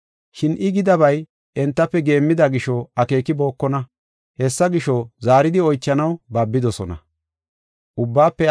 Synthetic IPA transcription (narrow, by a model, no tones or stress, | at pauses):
ʃɪnʔɪɡɪd̪ɐβɐj | ʔɛnt̪ːɐpːɛɡe̞ːmːɪd̪ɐɡɪʃɔɐke̞ːkːɪbo̞ːkːɔnɐ | hɛsːɐɡɪʃɔzaːɾɪd̪ɪɔjt͡ʃːɐnɐwbaːbːɪd̪ɔsɔnɐ̰ | ʔʊbːaːpːɛ